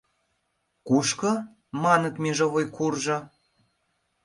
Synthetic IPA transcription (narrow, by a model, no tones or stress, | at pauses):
kuʃkɤ̆ | mɑnɤ̆k̪mʲeʒŏβojkʰurʒɤ̆